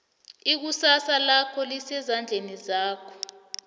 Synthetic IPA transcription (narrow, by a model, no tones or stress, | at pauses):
ik̬usasalakʰɔlisɛzand͡ɮʱenizaːkʰɔ̥